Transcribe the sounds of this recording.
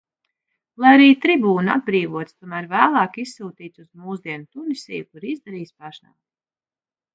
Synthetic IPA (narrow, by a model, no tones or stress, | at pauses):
lˠajaɾiːt̪ɾibuːnua̰d̪̚bɾiːvuɔt̪st̪uɔmæːɾvæːlˠɑːkisːuːt̪iːt̪suzmuːzd̪iɛnut̪unisʲɛ̰jukuɾizd̪aɾiːsʲpaʃna̰w̪